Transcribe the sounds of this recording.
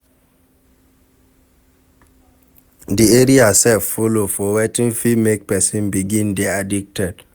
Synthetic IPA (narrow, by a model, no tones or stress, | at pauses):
dieɹiasɛffolofɔwɛtĩnfimek̚pɛsĩnbiɡĩndɛadik̚tɛd̥